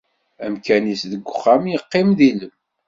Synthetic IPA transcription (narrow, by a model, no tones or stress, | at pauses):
æmkænisðəɡʷːʊχːamjəqːɪmðiləm